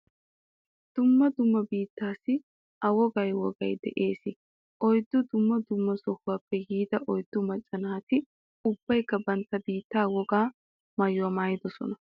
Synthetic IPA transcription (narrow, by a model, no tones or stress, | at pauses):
d̪̥ʊmːɐd̪ʊmːɐbiːt̪ːaːsɪ | ɐwɔɡɐjwɔɡɐjd̪ɛ̰ʔeːsɪ | ʔɔjd̪ːʊd̪ʊmːɐd̪ʊmːɐsɔhʊwaːpːɛɡiːd̪ɐʔɔjd̪̥ːʊmɐt͡ʃʼːɐnaːt̪ɪ | ʊb̥ːɐjkːɐbɐnt̪ːɐbiːt̪ːaːwɔɡaː | mɐjʊɐmaːjɪd̪ɔsɔ̰nɐ